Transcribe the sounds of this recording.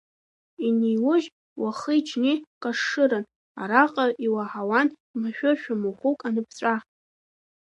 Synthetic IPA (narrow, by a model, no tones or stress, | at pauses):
inijwʊʒ | waχəit͡ʃʰnikʼaʂːɨɾɨn | a̰ɾaqʼaʔiwaħawan | maʃᶣʊʃᶣamuχʷukʼanɨpʰt͡ɕʷʼa